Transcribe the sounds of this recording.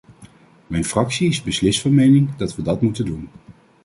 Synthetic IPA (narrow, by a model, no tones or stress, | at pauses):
mɛjnfrɑksiɪzbəslɪstfɑnmejnɪŋdɑtʋədɑtmutəndun